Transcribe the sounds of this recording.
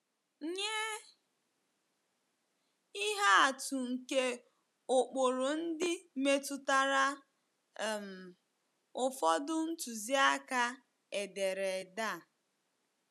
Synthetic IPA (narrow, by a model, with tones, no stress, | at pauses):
ɲe˦ | i˦ɦa˦a˨tu˨ŋ̩˨ke˦ | o˨k͡po˨ɾo˨n̩˦dɪ˦me˦tʊ˦ta˦ɾa˦˨ | m̩˨ | ʊ˨fɔ˦dʊ˦n̩˦tu˨zi˦a˦ka˦ | e˨de˨ɾe˨da˦˨